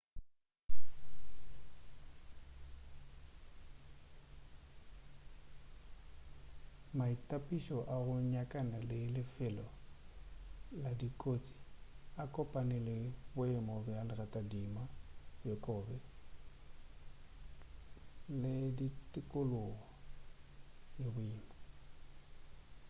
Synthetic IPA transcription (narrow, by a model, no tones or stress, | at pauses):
maitʼapʼiʃɔʔaɣʊɲakʼanalɪlɪfɛlɔ | ladikʼot͡sʼi̥akʼɔpʼanɪlɪbʊɪmɔbɪalɪratʼadimajɔkʼɔːbɛ | lɪditʼɪkʼʊlʊɣɔ | lɪbʊiːmɔ